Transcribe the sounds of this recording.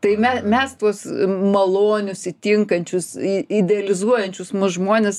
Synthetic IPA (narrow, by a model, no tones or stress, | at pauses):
t̪ɐɪmʲɛsmʲɛst̪uɔsmɐlˠoːnʲʊsɪt̪ʲɪŋkɐnʲt͡ʃʲʊsiɪd̪ʲɛɐlʲɪzuɔjɛnʲt͡ʃʲʊsmʊsʒmoːnʲes